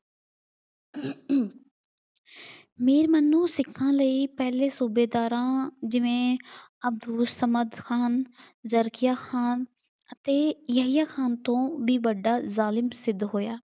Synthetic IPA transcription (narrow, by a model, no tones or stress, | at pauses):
meːɾmənːũːsɪkʰːãːləiːpɛːlẽːsuːbeːd̪aːɾãːd͡ʒɪʋẽːəb̚d̪uːsəməd̪kʰaːn | zəɾkɪjaːxʰaːn | ət̪eːjəɦɪjaːkʰaːnt̪õːbiːbəɖːaːzaːlɪmsɪd̪ɦoːjaː